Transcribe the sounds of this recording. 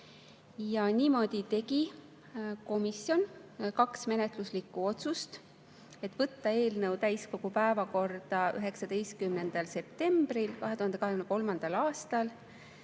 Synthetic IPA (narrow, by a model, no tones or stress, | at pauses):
jɑniːmo̞d̪̥it̪e̞ɡi | ko̞misjo̞nkɑksme̞ne̞t̪luslikːˑuo̞t̪sust̪ | e̞t̪ːvɤt̪ːɑe̞ːlnɤwt̪æjsko̞ɡ̥upæevɑko̞rd̪̥ɑy̰ɦe̞ksɑd̪̥e̞jst̪̚kymne̞nd̪̥ɑlse̞pt̪e̞mb̥ɾilkɑɦe̞t̪uhɑnd̪eɑɦeyneko̞lmɑnd̪̥ɑlɑːst̪ɑl